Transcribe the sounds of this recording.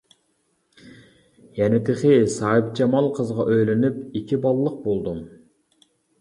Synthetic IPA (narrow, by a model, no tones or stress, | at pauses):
jɛnɪt̪ʰɪχɪsɑːip̚d͡ʒɑmɑlˠqʰəzʁɑʔøjlynypikʲʰibɑlˠɨlˠəq̚bolˠd̪um